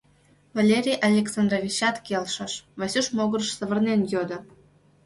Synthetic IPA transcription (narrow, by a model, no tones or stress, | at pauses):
valʲeɾʲijʔalʲeksand̪rovʲit͡ɕɑt̪kʲelʲʃə̆ʃvasʲuʃmoɡə̆rəʃsə̆βə̆rnʲenjod̪ɤ̆